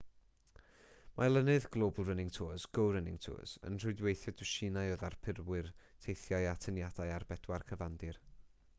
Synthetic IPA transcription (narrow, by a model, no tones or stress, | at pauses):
malˠənɨðɡ̥lˠoːblˠrənɪŋtʰoːzɡ̥owɾənɪŋtʰo̰ːzə̰nr̥ʊɨdwejθjɔdʊʃɪnajoðarpʰɪrwɨrtʰejθjajatʰənjadajarbɛdwarkʰəvandɪr